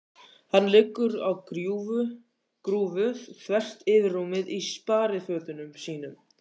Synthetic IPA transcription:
hanːlɪkːʏɾawkɾuvʏ | kɾuːvʏðθvɛr̥t̪ɪvɪrːuːmɪðispaːɾɪfœːt̪ʏnʏmsiːnʏm

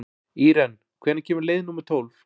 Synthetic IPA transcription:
iːɾɛn | kʰvɛːɾnɪcʰɛːmʏɾleːjðnuːmɛɾ̥t̪ʰoːwlf

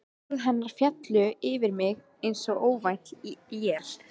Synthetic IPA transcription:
ðɦɛnːaɾ̥fjat̪lʏɪvɪɾmɪɣ | ejnsɔɣoːwvajn̥t̪jɛɾ̥

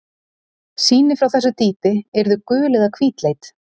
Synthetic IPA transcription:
siːnɪfɾawθɛsʏt̪iːpɪɛɾðʏkʏːlɛðakʰviːt̪lejt̪

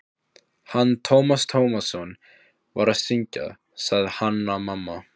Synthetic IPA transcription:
hant̪ʰowmast̪ʰowmasɔn | vaɾaðsiɲca̰ | saɣðɪhanːamamːa

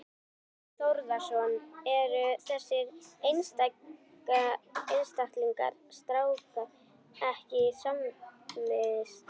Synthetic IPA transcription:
θowɾðasɔnɛɾʏθɛsːɪɾejnst̪a | kaejnst̪aht̪liŋka̰ɾ̥st̪ɾaːwka | ɛhcɪsammɪðst̪

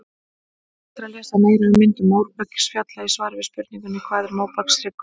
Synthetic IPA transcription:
t̪ɾalɛːsameːjɾaɣɪmɪnt̪ʏmoːwɾpœcɪ̥sfjat̪laisvaːɾvɪspʏɾt̪niŋkʏnikʰvaːðɪɾmaːwpaksɾɪk

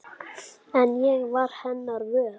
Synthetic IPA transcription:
ɛnjɛɣvaɾ̥hɛnːaɾvœ

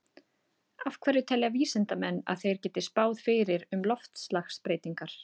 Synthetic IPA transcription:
afkʰvɛːɾʏt̪ʰɛlːɛjaviːsɪnt̪amɛnːa̰ðθejɾ̥cɛːt̪ɪ̥spaːwðfɪːɾɪɾʏmlɔft̪slaxspɾeːjt̪iŋkaɾ̥

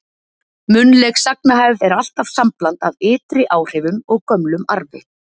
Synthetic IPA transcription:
mʏnlɛksaknaɦajvɛɾal̥t̪av̥samplant̪aðɪːt̪ɾɪʔaːwr̥ɛvʏmɔɣkœmlʏma̰ɾvɪ̰

